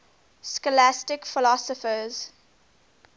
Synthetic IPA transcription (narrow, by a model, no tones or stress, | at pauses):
skəlæstɪkfɪlɔsɔfəz̥